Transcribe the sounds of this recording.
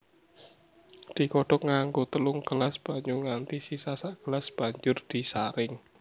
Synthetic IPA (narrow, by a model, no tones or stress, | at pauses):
d̪̥i̤kɔɖɔk̚ŋaŋɡot̪əlʊŋkəlasb̥a̤ɲuŋant̪isisasakəlasb̥a̤ɲd͡ʒʊrd̪̥i̤saɾɪŋ